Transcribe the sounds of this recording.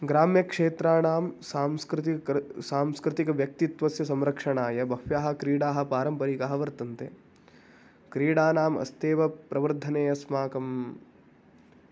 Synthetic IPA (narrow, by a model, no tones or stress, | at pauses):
ɡɾaːmjɐkʂeːt̪ɾaːnaːmsaːmskɾt̪isaːmskɾɪt̪ikɐʋjɐk̚t̪it̪ʋɐsjɐsɐmɾɐkʂɐɳaːjɐbʱɐfjaːɦɐ̆kɾiːɽaːɦɐ̆paːɾɐmpɐɾikaɦɐʋɐɾt̪ɐnt̪ḛ | kɾiːɽaːnaːmɐ̰st̪eːʋɐpɾɐʋɐɾd̪ʱɐneːjɐsmaːkɐm